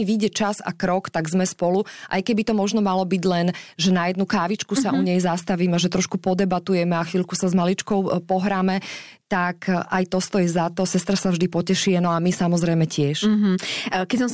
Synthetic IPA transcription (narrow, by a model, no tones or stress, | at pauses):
iʋiɟɛt͡ʃaza̰kɾɔkt̪aɡzmɛspɔluʔa̰jkɛbit̪ɔmɔʒnɔmalɔbiɟlɛnʒɛnajɛd̪̚nukaːʋit͡ʃkusaʔuɲɛjzast̪aʋiːmɛaʒɛt̪ɾɔʃkupɔd̪ɛbat̪ujɛmɛaxʋilkusazmalit͡ʃkɔʊpɔɦɾaːmɛ | t̪akʔajt̪ɔst̪ɔjizat̪ɔsɛst̪ɾasavʒd̪ipɔcɛʃiɛnɔamisamɔzɾɛjmɛcɪɛʃ | kɛsɔ̃m